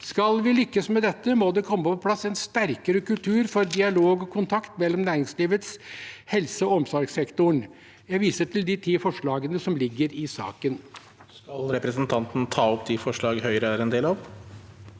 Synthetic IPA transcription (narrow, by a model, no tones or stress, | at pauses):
skɑlʋɪlʏkːəsmɛd̪ɛt̪ːəmod̪ɛkʰɔmːəpɔpʰlɑsɛnst̪æɾkəɾəkʉlt̪ʰʉːɾfɔɾd̪ɪɑloːɡɔkʰʊnt̪ʰɑkt̪mɛlːɔmnæːɾɪŋsliːʋət̪shɛlsəɔɔmsɔɾɡsɛkt̪ʊɳ | jæʋiːsəʈʰɪld̪ɪt̪ʰiːfɔʂɭɑːɡənəsɔmlɪɡːəɾɪsɑ̰ːkən | skɑlɾɛpɾɛsnt̪ʰɑnt̪n̩t̪ʰɑːɔpd̪ʰifɔʂɭɑːɡhœʏɾəɾɛnd̪eːlɑʋ